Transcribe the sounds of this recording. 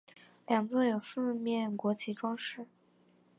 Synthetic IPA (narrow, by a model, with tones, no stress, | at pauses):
ljɑ˨˩ŋt͡sɹ̩˥˩jo˨˩ʊsɹ̩˥˧mjɛ˥˩nkwɔ˧˥t͡ɕi˧˥ʈ͡ʂwɑ˥ŋʂɻ̩˥˩